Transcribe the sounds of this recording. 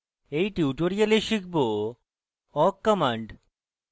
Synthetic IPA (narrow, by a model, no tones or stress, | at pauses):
ejʈiuʈoɾialeʃikʰbo | ɔkːɔmaɳɖ